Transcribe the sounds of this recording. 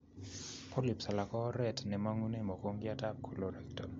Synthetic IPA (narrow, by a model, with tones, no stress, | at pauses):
pʰo˦li˨psa˨la˨kɔ˦ɾɛ˨tnɛ˨ma˦ŋu˦ne˦mɔ˨ko˦ŋɡɪa˦ta˦p̚kʰo˨lo˨ɾɛ˨k̚tɔ˨